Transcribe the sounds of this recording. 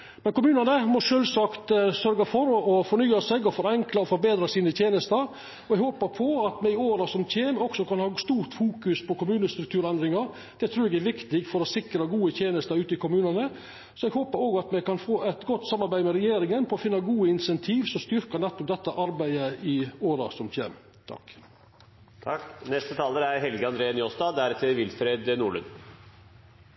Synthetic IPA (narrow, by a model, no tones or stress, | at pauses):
mmɛnkʊmʉːnənəmɔʂøːlsɑkt̪sœɾɡɑfɔɾɔfɔɾɳyːɑsɛɡɔfɔɾɛŋklɑɔfɔɾbeːd̪ɾɑsiːnət̪ʰjeːnəst̪əɾ | ɔɛɡhoːpəɾpʰɔɑt̪mɛɪoːɾɑsɔmt̪ʰeːmɔɡsɔkɑnhɑːst̪uːɾt̪fuːkʉspʰɔkʊmʉːnəst̪ɾʉk̚t̪ʰʉːɾɛnd̪ɾɪŋɑɾ | d̪̥ɛt̪ʰɾʉːɾɛɡæɾʋɪkt̪ɪɡfɔɾɔsɪkɾəɡuːət̪ʰjeːnəst̪əɾʉːt̪əɪkʰʊmʉːnɑnə | sɔɛɡhoːpəɾoːɡɑt̪mɛɡkɑnfoːæt̪ɡɔt̪ːsɑmːɑɾbæɪmɛɾɛjeːɾɪŋənpʰɔɔfɪnːɑɡuːəɪnsɛnt̪ʰiːʋsɔst̪ʏɾkɑnɛt̪ːɔp̚d̪ɛt̪ːəʔɑɾbæɪəɪoːɾɑsɔmt̪ʰḛːm | t̪ʰɑ̰k | ɑknɛst̪ət̪ʰɑːləɾæɾɦɛlɡəɑnd̪ɾeːənjɔst̪ɑd̪æɾt̪ʰɪlʋɪlfɾeːd̪nuːɭʉ̰n